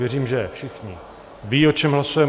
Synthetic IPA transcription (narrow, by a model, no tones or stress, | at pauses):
jɛriːmʒɛfʃɪxɲɪ | viːot͡ʃɛmɦlasujɛ